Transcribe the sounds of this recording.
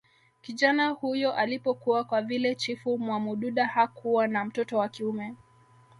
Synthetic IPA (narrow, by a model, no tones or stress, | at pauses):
kiʄanahujɔʔalipɔkuwakwavilɛt͡ʃifumwamuɗuɗahakʰuwanam̩tɔtɔwakiumɛ